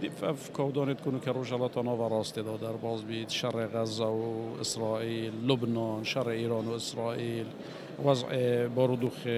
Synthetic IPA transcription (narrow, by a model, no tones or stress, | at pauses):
d̪ifafkʰɑːwd̪ɑːnet̪̚kuːnukʰaɾˤuʒalɑt̪ɑnɑːvaɾˤɑːst̪ed̪ɔd̪aɾbɑːsbid̪ʃarˤːeɣazːawʔə̰sɾɑːʔiːlːʊbnɑːnʃarːˤeʔiːɾɑːnwʔɪsɾɑːʔiːl | wazʕebɑɾud̪uxe